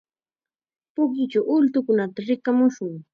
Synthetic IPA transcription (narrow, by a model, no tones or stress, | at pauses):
pʊkjʊt͡ʃawʔʊlt̪ʊkʊnat̪aɾɪkamʊʃʊŋ